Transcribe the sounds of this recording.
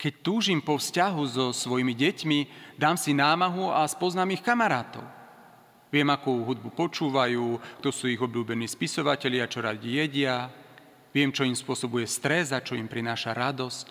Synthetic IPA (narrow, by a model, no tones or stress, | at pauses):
kɛc̚t̪uːʒimpɔfscaɦuzɔsʋɔjmiɟɛcmid̪aːmsinaːmaɦuaspɔznaːmixkamaɾaːt̪ɔ̰ʊ | ʋɪɛmakuːɦud̪̚bupɔt͡ʃuːʋajuːkt̪ɔsuːiɣɔbʎuːbɛniːspisɔʋacɛʎɪat͡ʃɔɾaɟijɛɟɪa | ʋɪɛmt͡ʃɔimspʊɔsɔbujɛst̪ɾɛzat͡ʃɔimpɾinaːʃaɾad̪ɔsc